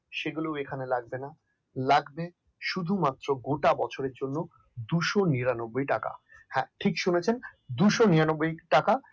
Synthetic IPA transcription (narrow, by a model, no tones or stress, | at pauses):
ʃeɡulewekʰanelaɡ̚bena | laɡbe | ʃud̪ʱumat̪ːɾoɡoʈabɔt͡ɕʰoɾeɾd͡ʑonːo | d̪uʃoniɾanobːojʈaka̰ | hɛ̃ʈʰikʃonet͡ɕʰend̪uʃoniɾanobːojʈaka